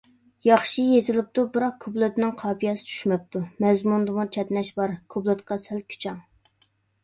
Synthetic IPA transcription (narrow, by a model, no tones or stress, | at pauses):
jɑχʃijezɪlɪp̚t̪ubɨɾɑqkʰublˠøt̪nɪŋqʰɑːpijɑsɪ̥t͡ʃʰy̥ʃmɛp̚t̪ʰumɛzmund̪ɨmut͡ʃʰɛt̪nɛʃbɑɾkʰublˠɨt̪qɑsæl̚kʲʰy̥t͡ʃʰɑŋ